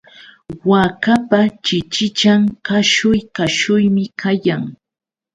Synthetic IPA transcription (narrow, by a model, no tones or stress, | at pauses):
wakapat͡ʃɪt͡ʃɪt͡ʃaŋkaʃʊjkaʃʊjmɪkʰajaŋ